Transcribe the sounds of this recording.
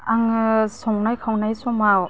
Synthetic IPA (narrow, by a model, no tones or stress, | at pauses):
aŋsɔŋnajkʰawnajsɔmaw